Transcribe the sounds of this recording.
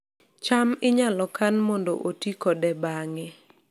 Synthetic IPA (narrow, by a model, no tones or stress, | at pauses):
t͡ʃamɪɲalɔkanmɔndo̰ʔotikɔdɛbaŋɛ